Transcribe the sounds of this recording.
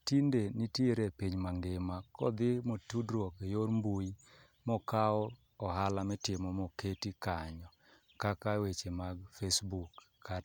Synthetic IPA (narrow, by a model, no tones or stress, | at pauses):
tindenitjeɾepiɲmaŋɡemakɔ̰d̪ɪmotudɾwɔkejoɾmbuji | mɔkaɔ | ɔɦalamɪtɪmɔmɔketikaɲɔ | kakawet͡ʃemaɡfesbukː | a